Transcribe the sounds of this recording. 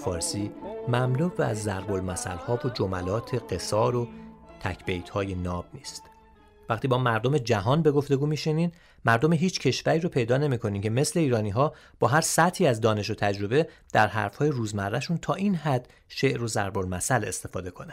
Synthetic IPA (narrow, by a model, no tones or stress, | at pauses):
fɒːɾsiːmæmluvæzːæɾbolmæsæ̰lhɒːvod͡ʒo̞mælɒːt̪ʰe̞ɢe̞sɒːɾo̞t̪ʰæcʰb̥e̞jt̪ʰhɒːje̞nɒːb̥̚niːst̪ | væχt̪iːbɒːmæɾd̪o̞me̞d͡ʒæɦɒːnbe̞ɡo̞ft̪e̞ɡuːmiʃinin | mæɾd̪o̞meɦiːt͡ʃʰcʰe̞ʃvæɾiːɾopʰe̞jd̪ɒːne̞miːkʰo̞niːncʰe̞me̞sle̞iːɾɒːniːɦɒː | b̥ɒːɦæɾsæt̪ʰiːæzd̪ɒːne̞ʃ̬o̞t̪ʰæd͡ʒɾo̞be̞d̪̥æɾɦæ̰ɾfhɒːjeɾuːzmærːæʃunt̪ʰɒːʔiːnɦæd̪̥ | ʃe̞ʔɾo̞zæɾbo̞lmæsæle̞̰st̪e̞̥fɒːd̪e̞kʰo̞næn̥